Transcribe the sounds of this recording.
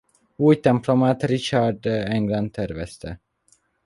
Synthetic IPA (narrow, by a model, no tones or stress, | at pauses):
uːjt̪ɛmplomat̪rit͡ʃaɾd̪ɛŋɡlant̪ʰːɛrvɛst̪ʰɛ